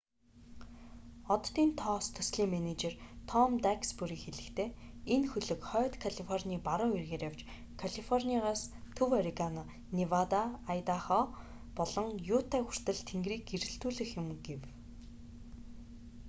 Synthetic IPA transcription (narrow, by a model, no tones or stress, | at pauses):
ɔt̪ːiːnt̪ʰɔːst̪ʰɵ̥sɮiːŋmenet͡ɕert̪ʰɔmt̪akspuɾiːkxeɮɘ̆kt̪ʰeːenxɵɮɵ̆kχœːt̪kʰaɮifɔrniːpaɾʊːerɣeːɾəwt͡ɕ | kʰaɮifɔrniaʁaːst̪ʰɵwaɾikanɔ | niwat̪aːjt̪aχɔː | pɔɮɞ̆ŋjuːt̪ʰæːxur̥t̪ɘ̆ɮt̪ʰeŋɡriːɡ̚ɡeɾɘ̆ɬt̪uːɮɘ̆xjʊ̆mɡew